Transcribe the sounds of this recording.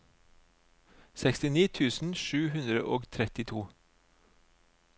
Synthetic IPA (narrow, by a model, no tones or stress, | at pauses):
sɛkst̪ɪniːt̪ʰʉːsn̩ʃʉːhʉnd̪ɾə̰ʔoːɡt̪ʰɾɛt̪ɪt̪ʰuː